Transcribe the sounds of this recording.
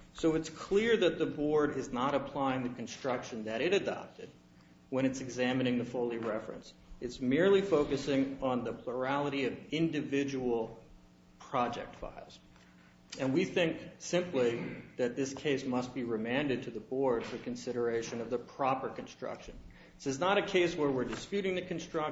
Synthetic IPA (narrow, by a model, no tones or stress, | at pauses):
soʊɨtskʰl̥ɪɹðɨt̪̚ðəbɔɹɾɪznəɾəpʰl̥aɪɪ̃ŋðɨkn̩stɹ̥ʌkʃɨ̃nðɨɾɨɾɨdɑ̰p̚tɨd̚ | wə̃ɾ̃ɨtsɨɡzæmɨñɪ̃ŋðɨfoʊlˠiɹɛfɹɨ̰̃nsɨtsmɪɹlifoʊkɨsɪ̃ŋə̃nðɨpʰl̥ə˞ælˠəɾiʌvɪ̃ndɨvɪd͡ʒəwl̩ˠ | pʰɹ̥ɑd͡ʒɛ̰k̚tfa̰ɪlˠz̥ | ɨ̃nwiθɪ̃ŋksɪ̃mpliðɨt̪̚ðɪskʰeɪsmʌst̚b̥iɹɨmæ̃ndɨd̚tʰɨðəbɔɹd̥fə˞kɨ̃nsɪɾə˞eɪʃɨ̃nʌvðəpʰɹ̥ɑpə˞kɨ̃n̩stɹ̥ʌ̰kʃɨ̃n̩ | ɪsɨznəɾɨkʰeɪswə˞wɪɹdɨspjʉɾɪ̃ŋðɨkɨ̃n̩stɹ̥ʌ